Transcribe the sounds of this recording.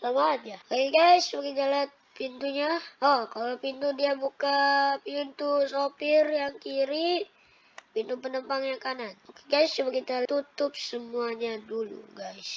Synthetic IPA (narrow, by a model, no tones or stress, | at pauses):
lamaːd͡ʒakaiɡaisbakit̪alat̪̚ | pint̪uɲaɔkalopint̪udiabukapint̪usopirjaŋkiɾi | pint̪upənəmpaŋjaŋkanat̪̚mukiɡaist͡ʃumakit̪at̪ut̪ʊp̚səmuaɲadulṵɡais